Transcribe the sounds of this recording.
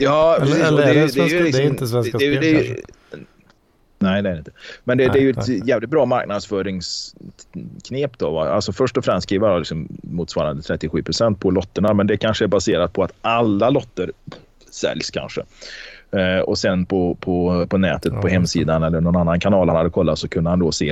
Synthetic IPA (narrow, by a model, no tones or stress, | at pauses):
jɑːpʰɾɛsiːsdɛd̪ɛjlɪksɔmsd̪ɛjd̪ɛj | nɛɪnɛæːɾɪnt̪əmɛnd̪ɛd̪ɛæːjɵɛt̪jɛːvlɪt̪̚bɾɑːmaɾknad̪sfœːɾɪŋs | kʰneːpd̪o̰ːva̰a̰lsɔfœʂʈɔfɾɛmst̪skʰɾiːvəɾjɔlɪksɔmːuːt̪svɑːɾand̪ət̪ʰɾɛt̪ːɪɧyːpʰɾʊsɛnt̪̚pʰɔlɔt̪ːəɳamɛnd̪ɛkʰanʂəæɾbaseːɾat̪̚pʰɔat̪alːalɔt̪ːəɾ | sɛ̰ljskʰa̰nʂə̰ | ɔ̰sɛnːpʰɔpʰɔpʰɔnɛ̰ːt̪ət̪pʰɔɦɛmːsiːd̪anɛlːəɳɔnanːankʰanɑːlhanhad̪ːəkʰɔlːat̪sɔkʰɵnd̪əhand̪ɔseː